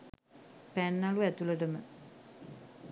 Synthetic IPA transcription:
pænːaluæt̪uləʈəmə

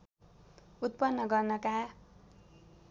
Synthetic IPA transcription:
ut̪̚pʌnːʌɡʌrnʌka

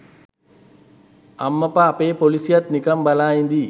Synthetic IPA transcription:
amːəpaːpeːpolisijat̪nikɐmbalaːjind̪i

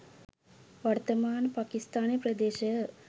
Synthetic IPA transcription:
ʋart̪ɐmaːnpaːkist̪aːnjepɾɐd̪eːʃɐ

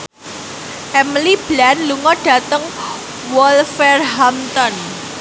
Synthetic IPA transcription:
ʔɛmlib̥lanluŋɔɖ̥ä̤t̪əŋ | wɔlfɛrɦamt̪ɔn

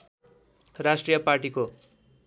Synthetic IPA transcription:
rasʈrijʌparʈiko

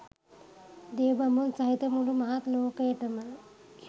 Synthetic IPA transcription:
d̪eːbɐmunsɐɦit̪əmuɖumɐɦat̪loːkəjəʈəmələ

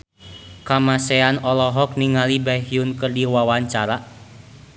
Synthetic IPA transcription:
kamasɛanɔlɔɦɔk̚niŋalibaɦiunkɨrdiwawaɲt͡ʃaɾa

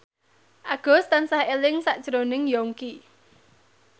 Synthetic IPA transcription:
ʔaɡ̥ɔ̤st̪ansahelɪŋsaʔʒ̥ɾonɪŋjɔŋki

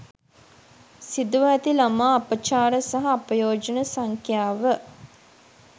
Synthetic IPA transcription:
sid̪uʋæt̪ilamaːpət͡ʃaːɾəsaɦɐːpəjoːd͡ʒənəsaŋkʰjaːʋə

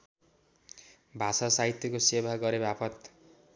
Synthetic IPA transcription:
bʱasasaɦit̪jʌkosebʱaɡʌɾebʱapʰʌt̪

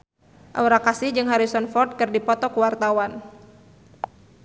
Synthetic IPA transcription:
ʔa̰uɾakasɪhd͡ʒɨŋɦaɾisɔnfɔrt̪̚kɨrdipɔt̪ɔkəwart̪awan

